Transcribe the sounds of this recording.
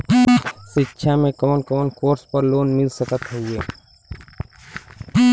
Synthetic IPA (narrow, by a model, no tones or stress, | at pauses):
ʃɪtːʃʰamẽkəmənkəmənkoːɾspəɾloːnmɪlsəkət̪ɦɛieː